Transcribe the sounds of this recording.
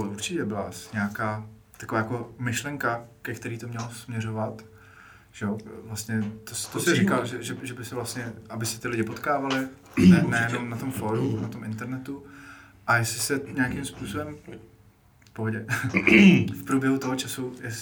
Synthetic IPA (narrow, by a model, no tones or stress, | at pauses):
ʔuɾt͡ʃɪcɛbɪlasɲaːkaː | t̪ḁkovaːjakomɪʃlɛŋkakɛkt̪ɛɾiːt̪o̞mɲɛlosmɲɛɾovat̪ | ʒ̥ɛovlast̪ɲɛt̪ost̪osɛɾɪkalʒɛʒɛʒɛbɪsɛvlast̪ɲɛʔabɪsɛt̪ɪlɪɟɪpot̪kaːvalɪ | nɛnɛjɛno̞mnat̪o̞mfoɾunat̪o̞mʔɪnt̪ɛɾnɛt̪u | ʔajɛsɪsɛɲaakimspuːsobɛm | fpoɦoɟɛ | fpɾuːbjɛɦut̪oɦot͡ʃasujɛs